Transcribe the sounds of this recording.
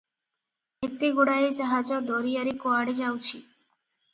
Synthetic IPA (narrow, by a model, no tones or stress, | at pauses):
et̪eɡoɽaed͡ʒaɦad͡ʒɔd̪ɔɾijaɾikoaɽed͡ʒawt͡ʃʰi